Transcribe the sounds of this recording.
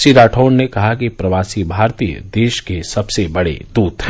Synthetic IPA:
siɾaːʈʰoːnnekɐɦakipɾɐʋaːsibʱaːɾt̪iːjə̰d̪eːʃkesɐbsebɐɽḛd̪uːt̪ɦɛ

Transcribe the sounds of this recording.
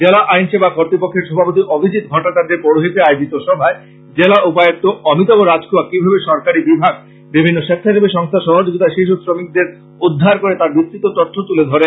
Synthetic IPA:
d͡ʑelaʔajnʃebakoɾt̪ɾipokʰːeɾʃɔbʱapot̪iʔobʱid͡ʑit̪ɡʱɔʈat͡ɕaɾdeɾpɔɽoɦit̪eaeod͡ʑit̪oʃɔbʱae | d͡ʑelaʔupajok̚t̪oɔmit̪̬ɔboɾad͡ʑkʰuakibʱabeʃɔɾkaɾibibʱaɡ̚ | bibʱinːoʃet̪ʰːaʃebeʃɔŋst̪ʰaʃɔɦad͡ʑoɡit̪aʃeʃosɾomik̚d̪eɾ | ud̪ʱːaɾkoɾet̪aɾbist̪ɾit̪ːot̪ɔt̪ʰːot̪uled̪ʱɔɾen

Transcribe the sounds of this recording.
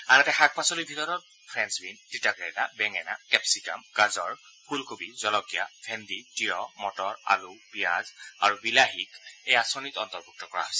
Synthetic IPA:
anatɛxak̚pasɔlibʱitɔɹɔt | pʰɹɛnsbintitaɡɹɛdabɛŋɛna̰kɛpsika̰mkazɔɹ | pʰulkobizɔlɔkijapʰɛnditijɔmɔtɔɹa̰lupijazaɹubilaɦikejasɔnitɔntɔɹbuk̚tɔkɔɹa̰ɦɔsɛ

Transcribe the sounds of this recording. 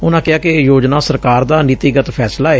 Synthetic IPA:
ʊnãːkɪaːkejoːd͡ʒnãːsəɾkaːɾd̪aːnɪt̪iɡət̪pʰɛːslaːɛː

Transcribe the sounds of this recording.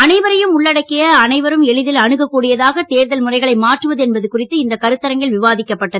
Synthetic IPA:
ɐnɐɪʋɐɾɐjɯmʊɭːɐɽɐkːɪjɐːnɐɪʋɐɾɯmɛɭɪðɪlɐɳɯɣɐkːuːɽɪjɐðaːɣɐt̪eːɾðɐlmʊrɐɪɣɐɭɐɪmaːʈrɯʋɐðɯɛnbɐðɯkʊrɪt̪ːɯɪnd̪ɐkɐɾɯt̪ːɐɾɐŋɡɪlʋɪʋaːðɪkːɐpːɐʈːɐðɯ

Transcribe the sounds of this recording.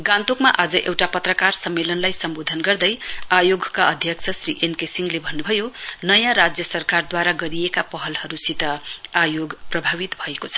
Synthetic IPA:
ɡãnt̪okmaʔad͡zʌʔḛwʈapʌt̪rʌkarsʌmːelʌnlajsʌmbod̪ʱʌnɡʌrd̪ʌjajoɡkaʌd̪ʱjʌkt͡sʰʌsrḭʔenkesiŋlebʱʌnːubʱʌjonʌjãɾad͡zjʌsʌrkard̪waɾaɡʌɾijekapʌɦʌlhʌɾusit̪ʌajoɡprʌbʱaβit̪bʱʌekot͡sʰʌ̥

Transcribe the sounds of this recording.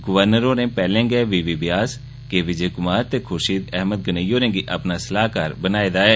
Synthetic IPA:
ɡʊʋəɾnəɾõɾẽpɛːlẽːɡeʋiːʋibɪjaːs | keʋɪd͡ʒeːkʊmaːɾt̪ekʰoːʃiːd̪ɛɦməd̪̚ɡɐnəjoːɾẽːɡiʔɐpnasəlaːɦkaːɾbənaːed̪aːeː

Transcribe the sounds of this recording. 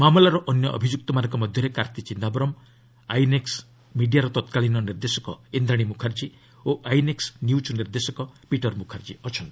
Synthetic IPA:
mamulaɾɔʔɔnjɔʔɔ̰bʱid͡ʒuk̚t̪ɔmanɔ̃ŋkɔmɔd̪ʱjɔɾekaɾt̪it͡ʃind̪abɔɾɔm | ajneks | miɖijaɾɔt̪ɔt̪kalinɔniɾd̪esɔkɔind̪ɾaɽ̃imukʰaɾd͡ʒi | oʔajneksnjut͡ʃniɾd̪esɔkɔpiʈɔɾmukʰaɾd͡ʒiɔt͡ʃʰɔnt̪i̥

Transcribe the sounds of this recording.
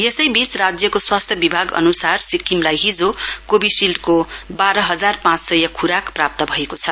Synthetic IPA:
jesʌjbit͡srad͡zjʌkoswast̪ʰjʌbibʱaɡʌ̰nusarsikimlajɦid͡zokobisilʈkobaɾʌɦʌd͡zarpãt͡ssʌjʌkʰuɾakprap̚t̪ʌbʱʌekot͡sʰʌ

